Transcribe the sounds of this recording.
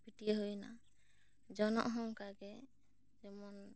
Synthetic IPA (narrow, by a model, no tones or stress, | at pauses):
piʈieɦojna̰ | d͡ʒɔnɔ̰ʔɦɔŋkaɡɛ | d͡ʒɛmɔn